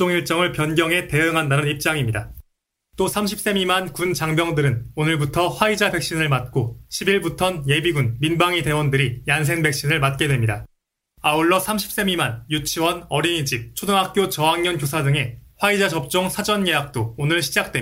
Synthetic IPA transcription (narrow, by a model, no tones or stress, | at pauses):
t͡ɕ͈oŋiɭt͡ɕ͈ʌŋɯɭpjʌnɡjʌŋɦe̞te̞ɯŋɦandanɯnip̚t͡ɕ͈aŋimɲida | t͈osʰamɕʰip̚s͈e̞mimankunt͡ɕaŋbjʌŋdɯɾɯnonɯɭbutʰʌɸwaid͡ʑabe̞k̚ɕ͈inɯɭmat̚k͈oɕʰibiɭbutʰʌnje̞biɡunminbaŋite̞wʌndɯɾijans̬ʰe̞ŋbe̞k̚ɕ͈inɯɭmat̚k͈e̞dwemɲida | auɭːʌsʰamɕʰi̥p̚s͈e̞mimanjut͡ɕʰiwʌnʌɾiɲid͡ʑik̚t͡ɕʰodɯŋɦak̚k͈jot͡ɕʌaŋɲʌnkjosʰadɯŋe̞ɸwaid͡ʑad͡ʑʌp̚t͡ɕ͈oŋsʰad͡ʑʌnje̞ɦak̚t͈oːnɯɭɕʰid͡ʑak̚t͈we